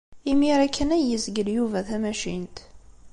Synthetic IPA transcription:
imiɾækʰːənæjəsɡəljuvæθæmæʃint̪

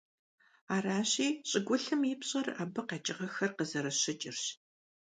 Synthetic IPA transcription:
aːraːɕiːɕʼɪɡʷʊɬɨmiːpɕʼɐra̰ːbɨqɑːt͡ʃʼɪʁɐxɐrqəzɐɾɐɕɪt͡ʃʼɪrɕ

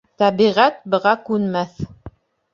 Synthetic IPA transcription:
t̪æβiʁæt̪̚bɤ̆ʁɑkʉnmæθ

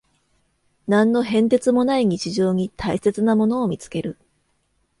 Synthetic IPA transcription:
nãnːo̞ɦẽ̞nt̪e̞t͡sɨmo̞naiɲ̟it͡ɕiʑo̞ːɲ̟it̪ʰaise̞t͡sɨnamo̞no̞ːmʲit͡sɨ̥ke̞ɾɯ̟

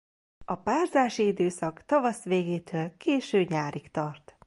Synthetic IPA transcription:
ɒpaːrzaːʃiid̪øːsɒkt̪ɒvɒsʋeːɡeːt̪ʰøːlkeːʃøːɲaːɾikt̪ɒrt̪

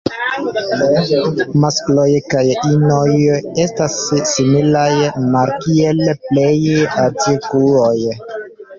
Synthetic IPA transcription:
masklojkajinoje̞stasːimilajmaɾkielplejatikuoj

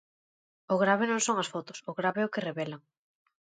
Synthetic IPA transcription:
ʊɣɾaβenõŋsoŋɐsfot̪ʊ̥sʊɣɾaβeɛʊkɪreβelaŋ

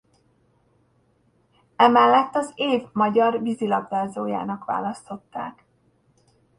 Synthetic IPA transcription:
ɛmɛlːɛt̪ːɒzeːvmɒɟɒrvizilɒɡdaːzoːja̰ːnɒkʋa̰ːlɒst̪o̞t̪ːa̰ːk

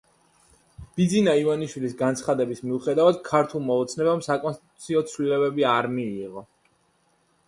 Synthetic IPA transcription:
b̥id̪zinaivaniʃwilisɡant̪sʰχad̪ɛbismiuχɛd̪avad̪̥̚kʰaɾt̪ʰulˠmaɔt̪sʰnɛbamsakʼɔnst̪i̥t̪ʼu̥t̪sʰiɔt̪sʰlilɛbɛbiaɾmiːʁɔ

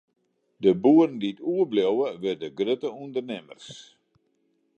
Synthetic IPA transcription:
dəbuərəndiətuəbljowəʋɪrdəɡrøtəundərnɪmə̰rs

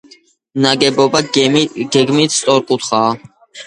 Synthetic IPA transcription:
naɡɛbɔbaɡ̥ɛɡmit̪ʰssʼɔɾkʼut̪ʰχa

